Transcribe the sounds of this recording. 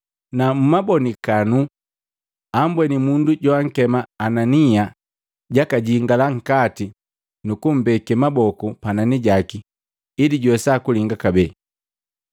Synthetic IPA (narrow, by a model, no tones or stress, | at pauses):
namumabɔnikanu | ambwɛnimunduɟɔaŋ̩kɛmaːnania | ɟakaɟiŋɡalaŋ̩kati | nukum̩bɛkɛmabɔkupananiɟakiː | liɟwɛsakuliŋɡakabɛ